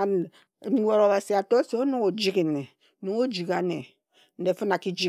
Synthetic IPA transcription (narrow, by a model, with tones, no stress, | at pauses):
ɔ˨ɾo˨ba˨si˨a˨to˦se˨o˦nu˦ŋo˨d͡ʒi˦ke˨ne˨˦ | no˨ŋo˦d͡ʒi˨ka˨ne˨ | n̩˨de˨˦fɨ˦na˨ki˦d͡ʒi˦